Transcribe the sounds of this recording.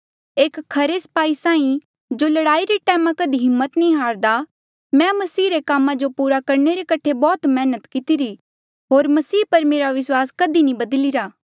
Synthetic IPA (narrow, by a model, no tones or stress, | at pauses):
eːkkʰːɐɾesɐ̥paːisãːĩ | d͡ʒolɐɽaːiɾiʈɛːmãkɐd̪iɦɪmːət̪nĩɦaːɾd̪a | mɛ̃mɐsiːɾekaːmãd͡ʒopuːɾakɐɾneɾekɐʈʰebɔːt̪mɛːnət̪kɪt̪iɾi | ɦoːɾmɐsiːpɐɾmeːɾaʋɪswaːskɐd̪inĩbɐd̪liɾaː